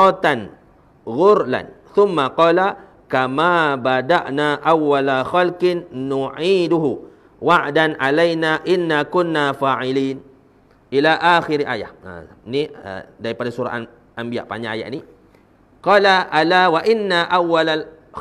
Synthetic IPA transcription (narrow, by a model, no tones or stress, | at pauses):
ɑt̪an | ɣʊɾla̰nθʊmːaqɔːla | kamaːbadaʔnaʔawːalaxalkɪnːuʕiːduɦu | waʔdanʔalajnaʔɪnːakʊnːafaːʕɪliːn | ʔilaʔaxɪɾiʔa̰ja̰ha̰niə̰daɾipadasuɾa̰ʔan | ʔambia̰ʔpa̰ɲaʔa̰ja̰ʔni | qɑːlaʔalawaʔɪnːaʔawːalal